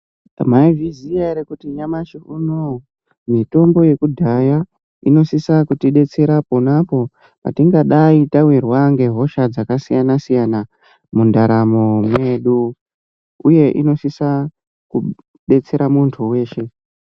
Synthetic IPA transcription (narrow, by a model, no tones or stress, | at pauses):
maivizijaɾekutiɲamat͡ʃiʔuno | mito̞mbo̞je̞kudʱaja | ino̞sisakutiɗe̞t͡se̞ɾaponapo̞ | pa̰tiŋɡaɗaitawirwaŋɡe̞ɦo̞ʃad͡zakasijanasijana | mundaɾamomwe̞ɗu | uje̞ʔino̞sisa | ku | ɗe̞t͡se̞ɾamuntʰuwe̞ːʃe̞